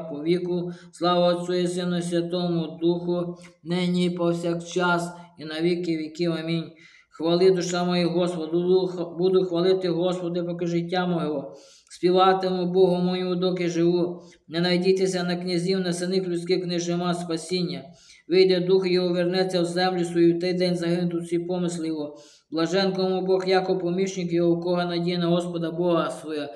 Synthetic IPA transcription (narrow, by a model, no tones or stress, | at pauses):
pɔʋʲikʊslˠɑʋɐːsʲɔjisɪnʊsʲʋʲɐt̪ɔmʊd̪uxʊnɛnʲijpɔwsʲakt͡ʃɑsinɐʋʲikɪʋʲikɪwɐmʲinʲ | xʋɐlˠɪd̪ʊʃɑmɔjiɦɔspɔd̪bud̪ʊxʋɐlˠɪt̪ɪɦɔspɔd̪ɪpɔkɪʒɪtʲːamɔɦɔɦɔ | sʲpʲiʋɑt̪ɪmʊbɔɦʊmɔjiʊd̪ɔkɪʒɪʋu | nɛnɐjdʲit̪esʲɐnɐknʲɐzʲiwnɐsɪnɪklʲʊt͡sʲkɪknɪʒɪmɑspɐsʲinʲːɐ | ʋɪjd̪ɛd̪uxjɔɦɔʋernɛt͡sʲːɐwzɛmlʲʊsʋɔjuwt̪ɛjd̪ɛnʲzɐɦɪnʊt̪ʊsʲipɔmɪslˠɪʋɔ | blˠɐʒɛnkɔmʊbɔxjakɔwpɔmʲiʃnʲɪkjɔɦɔkɔɦɐnɐdʲijɐnɐɦɔspɔd̪ɐbɔɦɐsʋɔjɛ